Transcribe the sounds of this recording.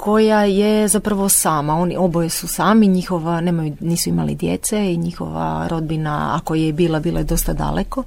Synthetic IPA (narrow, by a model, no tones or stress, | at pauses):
kʰo̞jajezapɾaʋo̞saːmao̞niobojesusaːmiɲixo̞ʋane̞ːmajuniːsuimalḭd̪jḛt̪seiɲixo̞̰ʋa̰ɾo̞d̪bina̰a̰kojebiːlˠabiːlˠa̰jed̪o̞st̪ad̪a̰lʔeko